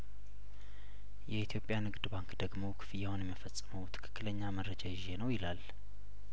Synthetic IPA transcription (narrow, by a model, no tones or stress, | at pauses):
jɛit̪ʰjo̞pʼjanɨɡd̪baŋkd̪əɡmo̞wkʰɨ̥fɨjahonjɛmːəfəsʼːɨməwt̪ʰɨ̥kʰɨ̥kːɨləɲːaməɾːəd͡ʒajɪʒe̞nəwjɪlal